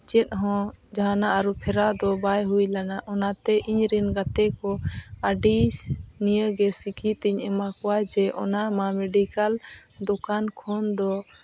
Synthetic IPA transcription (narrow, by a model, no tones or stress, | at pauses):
t͡ʃɛt̪̚ɦɔ̃d͡ʒaɦanaʔaɾupʰɛɾad̪ɔbajɦujlanaʔɔnat̪ɛʔiɲɾɛnɡat̪ɛkɔaɖinijəɡɛsikʰit̪ɛɲɛmakɔwad͡ʒɛʔɔ̰namamɛɖikal | d̪ɔkankʰɔnd̪ɔ